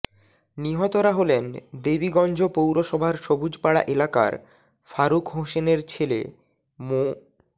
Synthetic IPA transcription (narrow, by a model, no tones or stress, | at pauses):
niɦɔt̪oɾaɦolend̪ebiɡɔnd͡ʑʱopowɾoʃɔbʱaɾʃobud͡ʑpaɽa̰ʔelaka̰ɾ | faɾukɦoʃeneɾt͡ɕʰelḛ | mo